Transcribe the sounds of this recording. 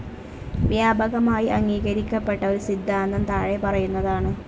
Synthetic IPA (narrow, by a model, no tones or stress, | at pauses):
ʋjaːbɐɣɐmaːjiʔɐŋːiːɣɐɾikʲːɐpːe̞ʈːɐo̞ɾusid̪ʱːaːnd̪ɐmt̪ɐɻepɐrɐjunːɐðaːɳɨ